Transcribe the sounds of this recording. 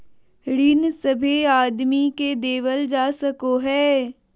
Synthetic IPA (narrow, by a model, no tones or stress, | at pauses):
ɾinsɐbʱeaːd̪miked̪eːʋəld͡ʒaːsəkoɦɛː